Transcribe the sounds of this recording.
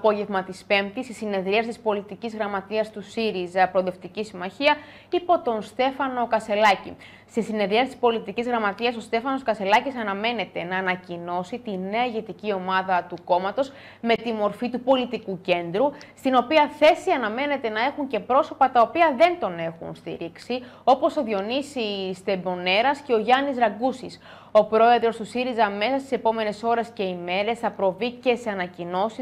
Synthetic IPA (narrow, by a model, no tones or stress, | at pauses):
ɐpo̞ʝe̞vmɐt̪ispe̞mt̪isisine̞ðɾiɐsit̪ispo̞lit̪icizɣɾɐmɐt̪iɐst̪usiɾizɐpɾoðe̞ft̪icisimɐçiɐ | ipo̞t̪o̞nst̪e̞fɐno̞kɐse̞lɐcḭ | st̪isine̞ðɾiɐsit̪ispo̞lit̪icizɣɾɐmɐt̪iɐso̞st̪e̞fɐno̞skɐse̞lɐcisɐnɐme̞ne̞t̪e̞nɐːnɐcino̞sit̪ine̞ɐʝe̞t̪icio̞mɐðɐt̪uko̞mɐt̪o̞z | me̞t̪imo̞ɾfit̪upo̞lit̪ikuce̞nd̪ɾust̪ino̞piɐθe̞siɐnɐme̞ne̞t̪e̞nɐe̞xuɲce̞pɾo̞so̞pɐt̪ɐo̞piɐðe̞nt̪o̞ne̞xṵnst̪ḭɾiksi | o̞po̞so̞ðio̞nisist̪e̞bo̞ne̞ɾɐsce̞o̞ʝɐnizɾɐɡusis | o̞pɾo̞e̞ðɾo̞st̪usiɾizɐme̞sɐst̪ise̞po̞me̞ne̞so̞ɾe̞sce̞ime̞ɾe̞sθɐpɾo̞vice̞se̞ɐnɐcino̞si